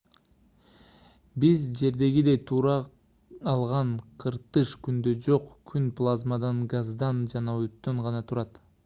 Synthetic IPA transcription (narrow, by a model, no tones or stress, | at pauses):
bizd͡ʒe̞ɾd̪e̞ɡid̪ejt̪ʰuːɾɑː | lˠʁɑɴqʰɯɾt̪ɯʃkynd̪ød͡ʒo̞qkʰynplˠazmad̪ɑnɡazd̪ɑnd͡ʒɑnɑøt̪ːøɴʁɑnɑt̪ʰuɾɑt̪